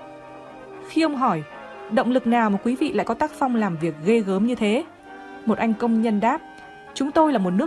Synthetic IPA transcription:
xi˧ʔə˧wŋ͡mɦɔ˧˩j | ɗə̰˧˨wŋ͡mlɨ˨˩k̚naː˨˩wmaː˨˩kwi˨˦vḭ˧˨la̰ː˧˨jkɔ˨˦t̪aː˦˥k̚fa˧wŋ͡mlaː˨˩mvi˨˩ək̚ɣə˧jɣəː˨˦mɲɨ˧t̪ʰe˨˦ | mo˨˩t̚ʔa˧jŋ̟kə˧wŋ͡mɲə˧nɗaː˦˥p̚ | t͡ɕʊ˨˦ŋ͡mt̪o˧jlaː˨˩mo˨˩t̚nɨ˦˥ə

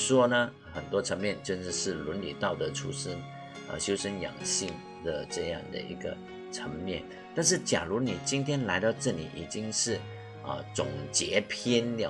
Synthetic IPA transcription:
ʂwɔ˥nə˨ | xə˨˩nt̪wɔ˥ʈ͡ʂʰə˧˥ŋmjɛ˥˧nʈ͡ʂjə˥˧nʂ̩˧ʂɻ̩˥˩lə˧˥nlḭ˨˩t̪ɑ˥˩ʊd̪ə˩ʈ͡ʂʰṵ˥ʂə˥n | ə̰˧˩ɕjo˥ʊʂə˥njɑ̰˨˩ŋɕi˥˩ŋ | d̪ə˩ʈ͡ʂɤ˥˧jɑ̰˥˩ŋd̪ə̰˩ʔḭ˧˥ɡə̰˧ | ʈ͡ʂʰə˧˥ŋmjɛ˥˩n | t̪a˥˧nʂ̬ɻ̩˥˩t͡ɕja̰˨˩lu˧˥ni˨˩t͡ɕi˥nt̪ʰjɛ˥nla˧˥ɪt̪ɑ˥˧ʊʈ͡ʂɤ˥˩lḭ˨˩ʔḭ˨˩t͡ɕi˥ŋʂɻ̩˥˩ | ə̰˧˩t͡sʊ˨˩ŋt͡ɕjɛ˧˥pʰjɛ˥n˥˨˩

